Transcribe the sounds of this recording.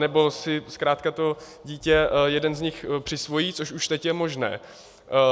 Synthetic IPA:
nɛbo̞sɪskɾaːt̪kat̪o̞ | ɟiːcɛjɛdɛnzɲɪxpr̥ɪsvo̞jiːt͡soʃuʃt̪ɛcjɛmo̞ʒnɛ̰ː

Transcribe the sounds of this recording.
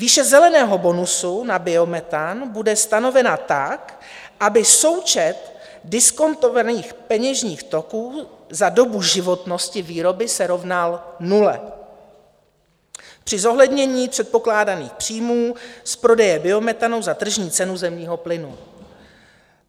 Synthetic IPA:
viːʃɛzɛlɛnɛːɦo̞bo̞nusunabɪo̞mɛt̪anbudɛst̪ano̞vɛnat̪ak | ʔabɪso̞wt͡ʃɛt̪ | dɪsko̞nt̪o̞vaniːxpɛɲɛʒɲiːxt̪o̞kuːzado̞buʒɪvo̞t̪no̞scɪviːɾo̞bɪsɛɾo̞vnalnulɛ̰ | pr̝̥ɪzo̞ɦlɛdɲɛɲiːpr̝̥ɛt̪̚po̞klaːdanḭːxpr̝̥iːmuːspɾo̞dɛjɛbɪo̞mɛt̪ano̞wzat̪r̩ʒɲiːt͡sɛnuzɛmɲiːɦo̞plɪnu

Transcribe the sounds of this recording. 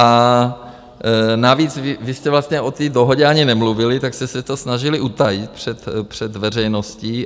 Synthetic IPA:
a | naviːt͡svɪvɪst̪ɛvlast̪ɲɛʔo̞t̪iːdoɦo̞ɟɛaɲɪnɛmluvɪlɪt̪akst̪ɛsɛt̪osnaʒɪlɪʔut̪ajɪt̪̚pr̝̥ɛt̪pr̝̥ɛd̪vɛrɛjnosciː

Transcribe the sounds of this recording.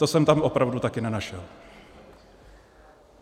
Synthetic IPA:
t̪osɛmt̪amʔopɾavdut̪akɪnɛnaʃɛl

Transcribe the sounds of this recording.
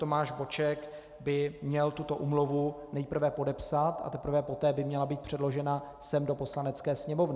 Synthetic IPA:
t̪o̞maːʒbo̞t͡ʃɛk | bɪmɲɛlt̪ut̪o̞ʔuːmluvu | nɛjpr̩vɛpo̞dɛpsat̪ʔa̰t̪ɛpr̩vɛpo̞t̪ɛːbɪmɲɛlabiːt̪̚pr̝̥ɛdlo̞ʒɛnasɛmdo̞po̞slanɛt͡skɛːsɲɛmo̞vnɪ

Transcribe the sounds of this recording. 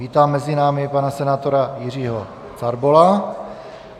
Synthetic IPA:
iːt̪aːmːɛzɪnaːmɪpanasɛnaːt̪o̞ɾajɪriːɦo | t͡saɾbola

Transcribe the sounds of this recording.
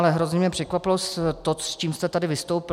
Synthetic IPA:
lɛɦɾo̞zɲɛmjɛpr̥ɛkvapɪlost̪t̪ːost͡ʃiːmst̪ɛt̪adɪvɪst̪owpɪ

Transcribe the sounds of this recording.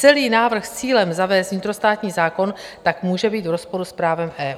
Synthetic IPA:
t͡sɛliːnaːvr̩xst͡siːlɛmzavɛːst̪vɲɪt̪ɾo̞st̪aːt̪ɲiːzaːko̞nt̪akmuːʒɛbiːt̪vɾo̞spo̞ɾuspɾaːvɛmʔɛː

